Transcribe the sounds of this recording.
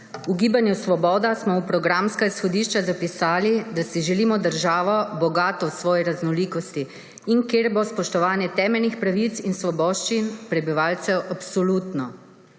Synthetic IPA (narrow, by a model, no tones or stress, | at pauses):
uɡiːbanjusʋɔbɔːd̪asmɔwpɾɔɡɾamskaisxɔd̪iːʃt͡ʃazapisaːlid̪asiʒɛliːmɔd̪əɾʒaːʋɔbɔɡaːt̪ɔwsʋɔːjɛɾaznɔliːkɔst̪iː | nkeɾbospɔʃt̪ɔʋaːnjɛt̪ɛːmɛlnixpɾaʋit̪sinsʋɔbɔːʃt͡ʃinpɾɛbiʋaːlt̪sɛwʔapsɔluːt̪nɔ